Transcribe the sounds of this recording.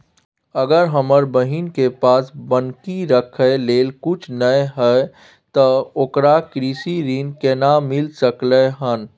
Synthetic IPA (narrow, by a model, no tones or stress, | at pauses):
əɡəɾɦəməɾbəɦinkepaːsbənkiɾəkʰəleːlkʊt͡ʃʰnəeɦə | t̪ɔoːkɾakɾiːsiɾiːnkenamɪlsəkləɦən